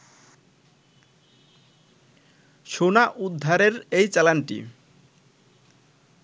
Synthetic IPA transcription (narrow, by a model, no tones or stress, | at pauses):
ʃonaʔud̪ʱːaɾeɾejt͡ɕɛlanʈḭ